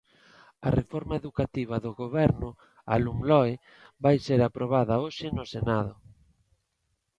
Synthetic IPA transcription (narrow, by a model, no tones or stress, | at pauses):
ɐ̰refɔɾmaeðukat̪iβ̞ɐðoɣoβɛɾnʊ | a̰lumlɔe | βajseɾapɾoβaðɐoʃɪnʊsenað̞ʊ